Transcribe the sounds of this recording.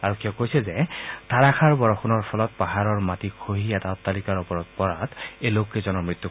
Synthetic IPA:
aɹukʰiɔkojsɛzɛtaɹaxʰaɹbɔɹɔxʰɔnɔɹpʰɔlɔt̚paɦaɹɔɹmatikʰoɦiataʊtːalikaɹɔpɔɹɔt̚pɔɹatejlokːezɔnɔɹmɹit̪ːu

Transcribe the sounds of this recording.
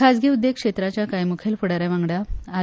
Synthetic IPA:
asɡʱeud̪ːek̚ʂet̪ɾat͡ɕjakajmukʰelfuɽaɾaʋãŋɡɽaa

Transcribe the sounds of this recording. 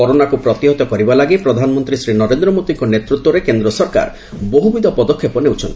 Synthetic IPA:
ɔɾonakupɾɔt̪iɦɔt̪ɔkɔɾibalaɡipɾɔd̪ʱanɔmɔnt̪ɾisɾinɔɾend̪ɾɔmod̪iŋkɔnet̪ɾut̪wɔɾekend̪ɾɔsɔɾka̰ɾ | boɦubid̪ʱɔpɔd̪ɔkʰːepɔnewt͡ʃʰɔnt̪i

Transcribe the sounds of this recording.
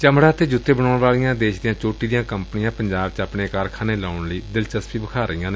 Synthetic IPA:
t͡ʃəmɽaːt̪eːd͡ʒʊt̪ːeːbənaːʊɳʋaːlijãːd̪eːʃd̪ijãːt͡ʃoːʈiːd̪ijãːkəmpnɪjãːpəɲd͡ʒaːb̚t͡ʃapɳeːkaːɾkʰaːneːlaːʊɳləiːd̪ɪlt͡ʃəspiːbəkʰaːɾəijãːneː

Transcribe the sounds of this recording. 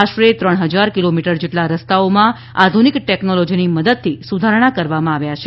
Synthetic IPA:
aʃʈɾet̪ɾəɽ̃ɦəd͡ʒaɾkilomiʈəɾd͡ʒeʈlaɾəst̪aomã | ad̪ʱunikʈɛknolɔd͡ʒiniməd̪əd̪̚t̪ʰisud̪ʱaɾəɽ̃akəɾʋamãaʋjat͡ʃʰe

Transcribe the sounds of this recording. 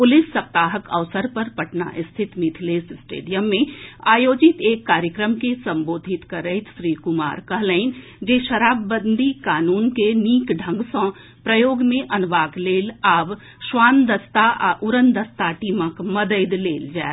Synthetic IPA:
pʊlɪsːɐp̚t̪aːɦəkə̰ʋsəɾpɐɾpɐʈna̰ʔɪst̪ʰɪt̪mɪt̪ʰleːsɪsʈḛːɖijəmːẽaːjoːd͡ʒɪt̪eːkːaːɾjəkɾəmkesɐ̃mboːd̪ʱɪt̪kɐɾəɪt̪ʃɾiːkʊma̰ːɾkɐɦləɪn | d͡ʒeːʃɐɾaːbːə̃nd̪ʱikaːnuːnkeniːkɖʱə̃ŋɡsɔ̃ː | pɾəjoːɡmẽʔɐnʋaːkleːlaːb | ʃʋaːnd̪əst̪aʔa̰ʔʊɾənd̪ɐst̪aʈiːməkmɐd̪əɪd̪leːld͡ʒaːe

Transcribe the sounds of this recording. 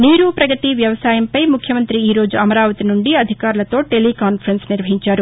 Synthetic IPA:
niːɾupɾɐɡɐt̪iʋjɐʋɐsaːjɐmpɐjmukʰjɐmɐnt̪ɾiiːɾo̞ːd͡ʒuɐmɐɾaːʋɐt̪inuɳɖiɐd̪ʱikaːɾulɐt̪o̞ːʈelikaːnpʰɐɾɐnsniɾʋɐɦiɲt͡ʃaːɾu

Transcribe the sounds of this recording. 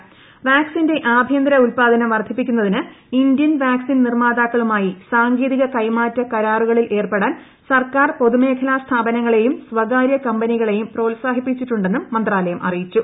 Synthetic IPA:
ʋaːksinde̞ʔaːbʱjɐnd̪ɾɐulpaːd̪ɐnɐmʋɐrd̪ʱːipːikʲːunːɐðinɨind̪jɐnʋaːksinnirmaːd̪aːkːɐɭumaːjisaːŋɡiːðiɣɐkɐjmaːtːɐkɐɾaːruɣɐɭilʔe̞ːrpeɽaːn | sɐrkaːrpo̞ðume̞ːkʰɐlaːst̪ʰaːbɐnɐŋːɐɭe̞jumsʋɐɣaːɾjɐkɐmbɐniɣɐɭe̞jumpro̞ːlsaːɦipːit͡ɕːiʈːuɳɖe̞nːumːɐnd̪raːlɐjɐmʔɐ̰rijit͡ɕːu

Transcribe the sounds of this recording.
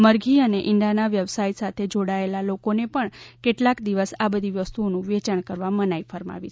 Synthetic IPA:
məɾɡʱiəneʔɪɳɖanaʋjəʋsajsat̪ʰed͡ʒoɽaelalokonepəɳkeʈlakd̪iʋəsabəd̪ʱiʋəst̪uonũʋet͡ʃəɳ̃kəɾʋamənajfəɾma̰ʋit͡ʃʰe

